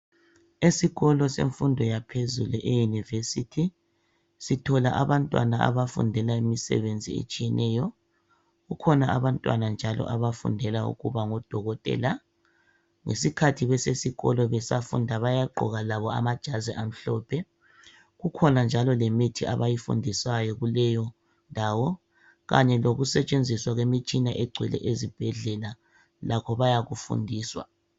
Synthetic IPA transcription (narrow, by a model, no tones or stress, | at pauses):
esiɣɔlɔsḛɱfundʱɔjapʰezuluʔejunivesitʰi | sitʰɔlaʔaβantʼwa̰naa̰βafṵndʱɛlaimisɛ̰βend͡zʱiḛt͡ʃʼijɛnʔɛjɔ | ɣukʰɔnaʔaβantʼwanand͡ʒʱalɔ̰ʔaβafṵndʱɛlaṵɣuβaŋɔd̥ʱɔɣɔtʼɛ̰la | ŋḛsikʰatʰiβɛsesiɣɔlɔβɛsafṵndʱaβajaǃʱɔ̰ɣalaβɔa̰mad̥ʒ̥ʱaziʔam̩ɬɔːpʰɛ | ɣukʰɔnand͡ʒʱalɔlemitʰiʔa̰βajifṵndʱisajɔɣulɛjɔ | ndʱaːwɔ | ɣa̰ɲɛloɣusɛt͡ʃʼend͡zʱiswaɣwemit͡ʃʼinaʔɛɡ͡ǀʱwɛ̰lɛ̰ʔezib̥ʱɛɮɛla | lakʰɔβajaɣufṵndʱiːswa̰